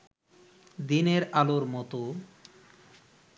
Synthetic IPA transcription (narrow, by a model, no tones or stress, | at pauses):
d̪ineɾaloɾmɔt̪o